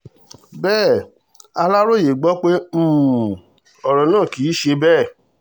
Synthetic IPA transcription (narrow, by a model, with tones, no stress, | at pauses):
bɛː˦˨ | a˧la˦ɾo˦˨je˨ɡ͡bɔ˦k͡pe˦m̩˦˨ | ɔ˨ɾɔ˨nãː˦˨ki˨˦ʃe˧bɛː˦˨